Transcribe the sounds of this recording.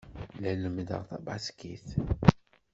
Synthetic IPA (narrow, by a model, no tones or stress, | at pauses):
læləmd̪ə̰ʁθæbɑskiθ